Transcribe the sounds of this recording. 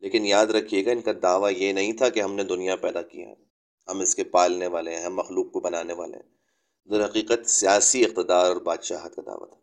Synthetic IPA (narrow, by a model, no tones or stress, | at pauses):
leːkɪnjaːd̪ɾɐkʰijeːɡaɪnkad̪aːʋajenɐɦĩt̪ʰakeɦɐmned̪ʊnijapɛːd̪akḭja̰ɦɛ | ɦɐmɪskepaːlneʋaːleɦɛ̃ɦɐmːɐxluːq̚kobɐnaːneʋa̰ːlḛɦɛ̰̃ | d̪ɐɾɦɐqiːqət̪sijaːsiɪq̚t̪ɪd̪aːɾɔːɾbaːd̪ʃaːɦt̪̚kad̪a̰ːʋa̰t̪ʰḁ